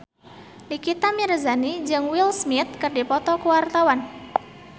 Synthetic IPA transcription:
likit̪amiɾzanid͡ʒɨŋwilsmit̪̚kɨrdipɔt̪ɔkuwart̪awan

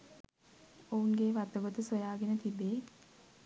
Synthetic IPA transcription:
ouŋɡeːʋat̪əɡot̪əsojaːɡenət̪ibeː

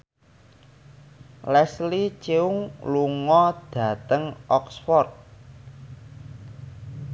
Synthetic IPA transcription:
lɛslit͡ʃeʊŋluŋɔd̪̥ä̤t̪əŋʔɔksfɔrt̪̚

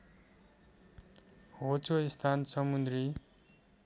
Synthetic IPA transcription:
hot͡soist̪ʰansʌmund̪ri

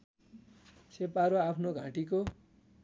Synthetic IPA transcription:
sepaɾoapʰnoɡʱãʈiko

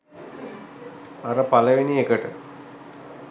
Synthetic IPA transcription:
aɾəpaləʋeniekəʈə

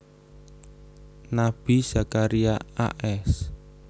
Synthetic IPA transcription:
nab̥i̤z̥akaɾiaa̰ʔɛs

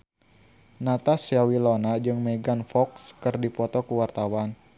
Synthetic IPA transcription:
nat̪asjawilonad͡ʒɨŋmɛɡanfɔkskɨrdipɔt̪ɔkuwart̪awan

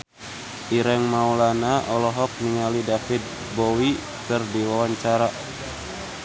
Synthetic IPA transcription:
ʔiɾɛŋmaulanaʔɔlɔɦɔk̚niŋalidafit̪̚ | bɔwi | kərdiwawaɲt͡ʃaɾa

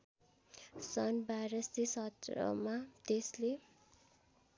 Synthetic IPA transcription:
sʌnbajɾʌst̪isʌt̪rʌ̰mat̪esle

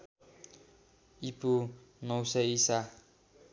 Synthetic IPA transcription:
ipo | nʌwsʌisa

